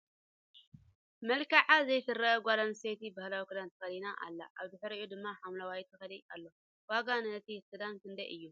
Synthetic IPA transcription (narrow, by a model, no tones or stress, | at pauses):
mɐlkaʕazɐjfɨrːɐɡʷadanset̪ibahlawikɨd̪ant̪ʰɨ̥xɐlinaʔa̰lːa̰ʔaβd̪ɨħɨɾɨʔod̪ɨmːaħamlawajt̪ʰɨxɐlialːo̞ | waɡannɐt̪ʰisɨd̪ankɨnd̪ɐʔɨjːu